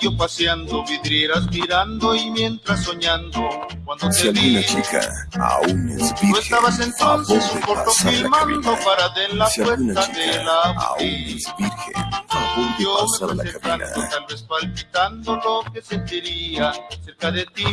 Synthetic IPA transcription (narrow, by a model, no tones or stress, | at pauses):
opaseand̪oβiðɾjeɾazmiɾand̪oimje̞nt̪ɾasːoɲand̪okwand̪ot̪eβiia̰ | a̰et̪uest̪aβasent̪o̞nsesuŋkoɾt̪ofilmãnd̪opaɾaðenlapweɾt̪aðelaβ̰t̪i | uomeaseɾkand̪ot̪alβe̞spalpit̪and̪olokeset̪iɾiase̞ɾkaðet̪i